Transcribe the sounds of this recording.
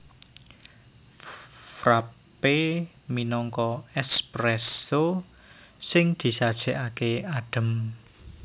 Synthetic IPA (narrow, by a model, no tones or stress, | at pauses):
fɾa | pe | minɔŋkɔɛspɾɛso | sɪŋd̪̥i̤sad̥ʒ̥ɛʔakeaɖ̥ə̤m